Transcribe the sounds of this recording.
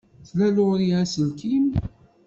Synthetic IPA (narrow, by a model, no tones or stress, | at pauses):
θlælʊʁɾiæsəlkim